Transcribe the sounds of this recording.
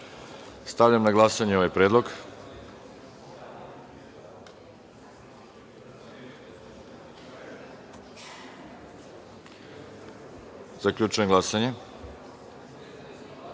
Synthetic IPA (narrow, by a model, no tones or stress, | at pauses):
st̪aʋʎamnaɡlˠasaɲeo̞ʋajpɾe̞ːd̪lˠo̞ɡ | zaklʎut͡ʃujemɡlasaɲe